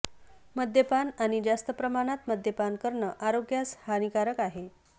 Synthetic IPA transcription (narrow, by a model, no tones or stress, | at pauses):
məd̪ʱjəpanaɽ̃id͡ʑast̪əpɾəmaɽ̃at̪məd̪ʱjəpankəɾɳəʔaɾoɡjashanikaɾəkaɦe